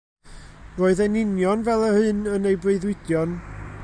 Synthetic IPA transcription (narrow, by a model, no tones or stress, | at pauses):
roːɨðɛnɪnjɔnvɛlˠəhɨnənejbreɨðwɪdjɔn